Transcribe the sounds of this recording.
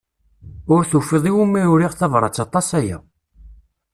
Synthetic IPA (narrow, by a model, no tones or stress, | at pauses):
ʊɾθufəðˤiwumːiɾʊɾiʁθɑvɾˤɑ̰t͡sːɑt̪ˤɑsæjæ̰